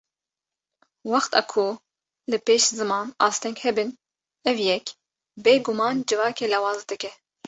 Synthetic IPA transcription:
wɑxt̪ʰɑ̰ːkʰu | lɨpeːʃzɨmɑːnɑ̰ːst̪ʰɛŋkhɛbɨn | ɛvjɛk | beːɡumɑːnd͡ʒɨvɑːkeːlɑːwɑːzd̪ɨkɛ

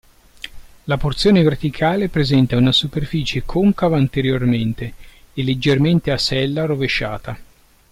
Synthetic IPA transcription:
laport̪sjoːnevert̪ikʰaːlepɾezɛnt̪aunasuperfiːt͡ʃekʰoŋkavaːnt̪eɾjorment̪e | elːed͡ʒːerment̪easɛlːaɾoveʃːa̰ːt̪a

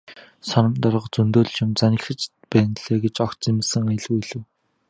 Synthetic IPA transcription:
sɔnɞ̆mt̪ɔrʁɞ̆ə̆qt͡sɵnt̪oːɮ̆t͡ɕʊ̆mt͡sanʲɪ̆xɘ̆t͡ɕ | pæːnɮ̥eːɡet͡ɕɔkt͡simsɘ̆ŋaj̆ɮwiɮɘ̆w

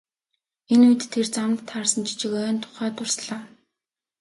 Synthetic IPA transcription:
enujt̪ʰːert͡samt̪ʰːarsə̆nt͡ɕi̥t͡ɕɪ̆kœːnt̪ʰʊ̥χæːt̪ʊr̥sɮaː

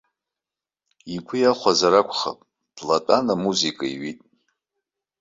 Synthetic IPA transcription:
ikʷʰʊjaχʷazaɾakʷʰʼχa̰pʼ | b̥latʼanamuzikʼaiɥitʼ

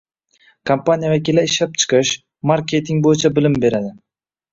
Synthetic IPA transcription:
kʰampanʲijavakʲilaɪʃlap̚t͡ʃʰɨ̥qʰɨʃ | maɾkʲʰe̞t̪ʰɪŋbojɪt͡ʃʰabɪlɪmbe̞ɾad̪ɪ

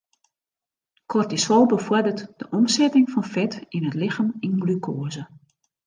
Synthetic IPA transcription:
kʰɔrtisɔlˠbəfʊdərtd̥əʔɔmsɛtɪŋfɔnfɛtinətlɪxaminɡlykʰoːzə

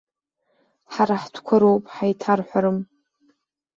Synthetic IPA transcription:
ħaɾaħtʰkʷʰaɾowpʼħajtʰarħʷaɾɨm

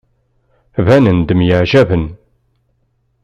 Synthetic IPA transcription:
vænənd̪əmjəʕʒævən

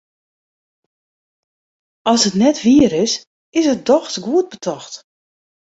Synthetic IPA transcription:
ɔlˠsətnɛtʋiəɾɪs | ɪsət̚dɔxtɡuət̚bətʰɔxt

